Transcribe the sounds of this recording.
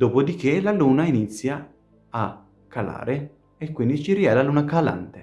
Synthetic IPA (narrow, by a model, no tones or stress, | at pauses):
d̪oːpod̪ikelaluːnainit̪sːjaː | kʰːala̰ːɾe | ekːwind̪it͡ʃiriɛlaluːnakala̰nt̪e